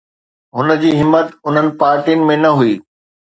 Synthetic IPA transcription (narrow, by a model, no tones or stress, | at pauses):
ɦʊnə̆d͡ʑiːɦɪmːət̪ʊn̤ənɪ̆paːɾʈiʊnɪ̆mẽnɐɦuiː